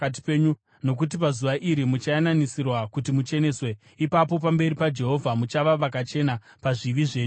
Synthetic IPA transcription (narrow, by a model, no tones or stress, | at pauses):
at̬i̥peːɲu | no̞k̬ut̬ipazuʋaʔiɾimut͡ʃajananisirwakutimut͡ʃe̞ne̞swe̞ | ipapo̞p̬ambe̞ɾipad͡ʒe̞ɦo̞vʱamut͡ʃaʋaʋak̬at͡ʃe̞na | paʐiʋiʐe̞ːɲuu